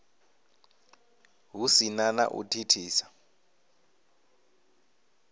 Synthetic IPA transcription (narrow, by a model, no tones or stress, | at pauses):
ɦusinana̰ʔṵtʰitʰiːsḁ